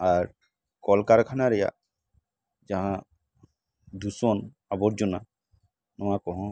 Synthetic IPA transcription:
aɾ | kɔlkaɾkʰanaɾɛja̰ | d͡ʒãɦã | d̪usɔn | abɔɾd͡ʒɔna | nɔmakɔɦɔ̃

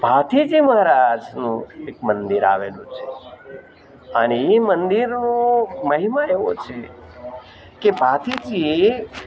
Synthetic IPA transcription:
bʱat̪id͡ʒiməɦɾad͡ʒnũekmənd̪iɾa̰ʋḛlṵ̃t͡ʃʰe | əneemənd̪iɾnũməɦimaeʋot͡ʃʰe | kebʱat̪id͡ʒi

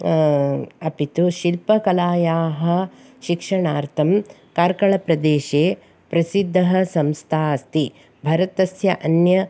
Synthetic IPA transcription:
ɐpit̪uʃilpɐkɐlaːjaːɦɐ̆ | ʃikʂɐɳaːɾt̪ʰɐmkaːɾkɐɭɐpɾɐd̪eːʃeː | pɾɐsid̪ʱːɐɦɐ̆sɐmst̪ʰaːɐst̪i | bʱɐɾɐt̪ɐsjɐʔɐnjɐ

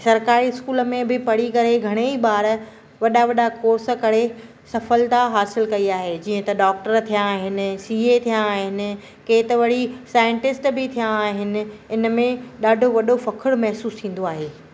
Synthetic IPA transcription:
sɐɾkaːɾiɪskuːlə̆mẽbɪpɐɽ̤ikɐɾeɡʱɐɽ̃eiɓaːɾ | ʋɐɗaʋɐɗakoːɾsə̆kɐɽe | sɐfəlt̪aɦaːsɪlkɐiaːɦed͡ʑiːə̃t̪ɐɖaːk̚ʈəɾt̪ʰijãːɦɪnɪ̆siːet̪ʰijãaːɦɪnɪ̆ | keːt̪ɐʋɐɽ̤isaːɪ̃ɳʈɪsʈbɪt̪ʰijãːɦɪnɪ̆ɪnəmẽɗaːɖʱoʋɐɗofɐkʰɪɽmɛɦsuːst̪ʰĩːn̆d̪oaːɦeː

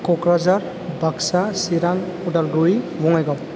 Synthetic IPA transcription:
kɔkɾazaɾ | bʱaksasiɾaŋɔdalɡɾuibɔŋajɡɔp

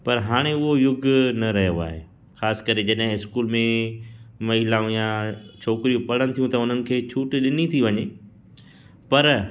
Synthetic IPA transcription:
pɐɾɦaːɽ̃eʊɦojʊɡʱnɐɾɐɦijoa̰ːɦḛː | xaːsɪ̥kɐɾed͡ʑɐɗɦɪ̃ɪskuːlmẽ | mɐɦilaːũjãt͡ɕʰoːkɪɾijũpɐɽ̤əñ̆t̪ʰijũt̪ɐʊn̤ənɪ̆kʰeːt͡ɕʰuːʈɗɪnit̪ʰiʋɐɲe | pɐɾ

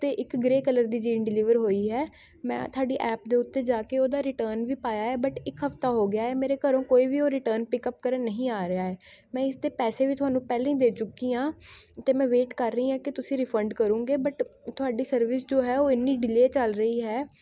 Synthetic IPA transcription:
t̪eːʔɪkɡɾeːkələɾd̪iːd͡ʒiːnɖɪlɪːʋəɾɦoːiːɦɛː | mɛ̰̃ːt̪ʰʊaːɖiːʔɛːpd̪eːʊt̪ːeːd͡ʒaːkeːoːd̪aːɾɪʈəːɾnʋiːpaːjaːɦɛːbəʈɪkɦəft̪aːɦoːɡɪjaːɦɛːmeːɾeːkəɾõːkoːiːʋiːoːɾɪʈəɾnpɪkəp̚kəɾənəɦĩːaːɾɪaːɦɛː | mɛ̃ːɪsd̪eːpɛːseːʋiːt̪ʊaːnũːpɛːlẽːĩːd̪eːt͡ʃʊkːiːãːt̪eːmɛ̃ːʋeːʈkəɾːəĩːãːkɪt̪ʊsĩːɾɪpʰə̃ɳɖkəɾũːɡeːbəʈt̪ʊaːɖiːsəɾʋɪsd͡ʒoːɦɛːoːɪnːiːɖɪleːt͡ʃəlɾəiːɦɛː

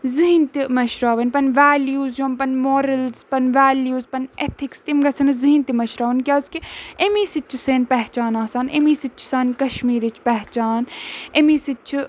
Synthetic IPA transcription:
ziɦint̪imɐʃɾaːʋɐnʲpɐnʋaːljuːzjompɐnmoːɾɐlzpɐnʋaːljuːzpɐnet̪ʰikst̪imɡɐsʰɐnɐziɦint̪imɐʃɾaːʋɐnkʲjaːzkiemiːsit͡ʃʰuseːnpɛɦt͡ʃaːnaːsaːnemiːsit͡ʃʰu̥saːnkɐʃmiːɾit͡ʃʰpɛɦt͡ʃaːnemiːsit͡ʃʰ

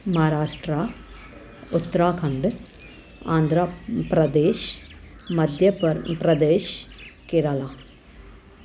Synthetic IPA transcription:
mɐɦaɾaːʂʈɾaː | ʊt̪ːɐɾaːkʰɐɳɖɨ | aːnd̪ʱɾaːpɾɐd̪eːʃ | mɐd̪ʱjɐpɾɐd̪eːʃkeɾɐlaː

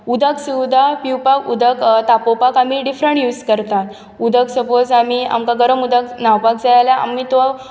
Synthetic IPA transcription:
ud̪əksiwd̪ʱapiwpakud̪əkt̪apopakamiːɖifɾəɳʈjuːd͡zkəɾt̪at̪ | ud̪ʱəksəpod͡zamia̰mkaɡəɾəmud̪aknawpakd͡zajljaa̰miːt̪oa

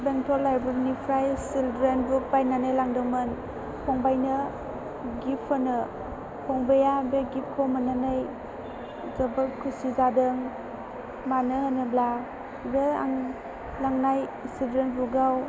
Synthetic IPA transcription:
beŋtʰɔlːajbɾiɾnipʰɾajsildɾenbubajnanɯjlaŋdɯŋmɯn | pʰɔŋbajnɯ | ɡipʰɯnɯ | pʰɔŋbejabeɡip̚kʰɔmananaj | zəbaɾkʰusizadɯŋ | manɯhənɯbla | bea̰ŋ | laŋnajsildɾenbuɡaw

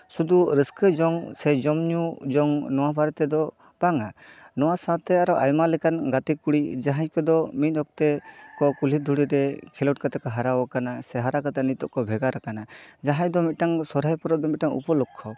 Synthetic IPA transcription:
sud̪uɾəskəd͡ʒɔŋsɛd͡ʒɔmɲud͡ʒɔŋnɔwabaɾɛt̪ɛd̪ɔ | paŋanɔwasat̪ɛaɾɔʔajmalɛkanɡat̪ikuɽid͡ʒaɦaɲkɔd̪ɔmit̪̚ˀɔk̚t̪ɛkɔkulid̪ʱuɽiɾɛkʰilɔʈ̚kat̪akaɦaɾawɔkanasɛɦaɾakat̪ɛnit̪ɔʔkɔbʱɛɡaɾakanad͡ʒaɦãjd̪ɔmit̪̚ʈaŋsɔɾɦajpɔɾɔd̪ɔmit̪̚ʈaŋṵpɔlɔkʰːɔ

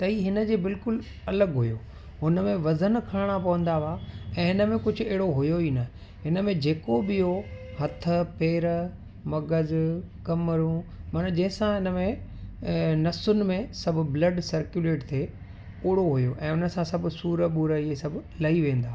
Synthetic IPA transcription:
t̪ɐiɦɪnə̆d͡ʑeːbɪlkʊl | ɐləɡɦʊjoː | ɦʊnəmẽʋɐzənkʰɐɽɽ̃apɐʋə̃nd̪aʋaːɛ̃ːɦɪnəmẽkʊd͡ʑʱʊ̆eɦɪɽoɦʊjoiːnɐ | ɦɪnə̆mẽd͡ʑeːkobɪjoɦɐt̪ʰəpeːɾə | mɐɡəzkɐməɾũmɐnd͡ʑɐ̃ɦɪ̃sãɦɪnəmẽ | nɐsʊnɪ̆mẽsɐbʱʊ̆blɐɖsɐɾkjuleːʈt̪ʰe | ʊːɽoɦʊjoʔɛ̃ːʊnə̆sãsɐbʱʊ̆suːɾəɓuɾəiesɐbʱʊlɐiʋẽːn̆d̪aː

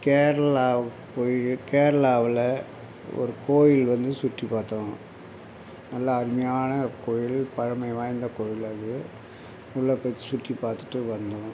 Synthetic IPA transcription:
keːɾɐɭaː | poːjɪkeːɾɐɭaːʋɪlɐ | ɔ̰ɾɯkoːjɪlʋɐnd̪ɯsʊʈːipaːɾt̪õː | nɐlːɐːɾɪmɐjaːnɐkoːjɪlpɐɻɐmɐɪʋaːjnd̪ɐkoːjɪlɐðɯ | ʊɭːɐpːɐt̪ːi̥sʊʈːipaːɾt̪ɯ̥ʈːɯʋɐnd̪õ

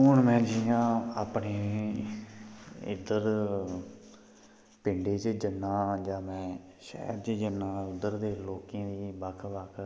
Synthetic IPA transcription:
ʊɳmɛ̃ːd͡ʒijãːaːpɳeː | ɪ̰d̪əɾ | pɪɳɖeːt͡ʃd͡ʒənːãːd͡ʒaːmɛ̃ː | ʃɛ̰ːɾt͡ʃəd͡ʒənːãːʊd̪əɾd̪eːloːkẽːd̪iːbəkʰbakʰ

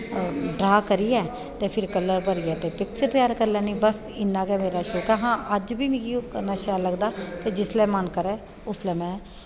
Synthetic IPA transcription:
ɖɾaːkəɾiːɛː | t̪eːpʰɪɾkəlːəɾbəɾiːɛːt̪eːpɪk̚t͡ʃəɾt̪jaːɾkəɾlɛːnĩːbəs | ɪnːãːkɛːmeːɾaːʃoːkɛːɦãːʔəd͡ʒbiːmĩːkikənaːʃaːləɡd̪aːt̪eːd͡ʒɪslɛːmənkəɾɛː | ʊslɛːmɛ̃ː

